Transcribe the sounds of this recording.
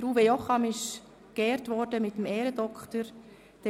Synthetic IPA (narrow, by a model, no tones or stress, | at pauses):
ɾuːvejɔχɑmɪʃ | kɛːɾtʋɔɾdəmɪtəmɛːɾədɔkχtəɾ | d̥ɛ